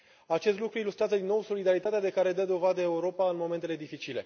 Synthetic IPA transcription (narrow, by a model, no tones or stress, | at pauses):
at͡ʃe̞st̪lukɾuilust̪ɾeazəd̪inːo̞wso̞lid̪aɾit̪at̪ead̪e̞kaɾe̞d̪əd̪o̞vad̪əe̞uɾo̞paɨnmo̞me̞nt̪e̞led̪ifit͡ʃile̞̰